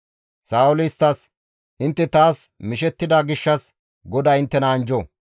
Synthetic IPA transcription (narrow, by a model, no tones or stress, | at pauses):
saːʊlɪst̪ːɐs | ʔɪnt̪ːɛt̪aːsmɪʃɛt̪ːɪd̪aːɡɪʃːɐs | ɡɔd̪aːɪnt̪ːɛnɐːnd͡ʒɔ